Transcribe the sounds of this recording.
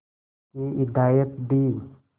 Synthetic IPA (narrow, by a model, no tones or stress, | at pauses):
kiɪd̪aːjət̪b̪iː